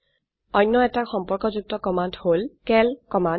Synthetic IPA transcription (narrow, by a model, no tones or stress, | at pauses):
ɔjnːɔɛtaxɔmpɔɹkɔzuk̚tɔkɔmandholkɛlkɔman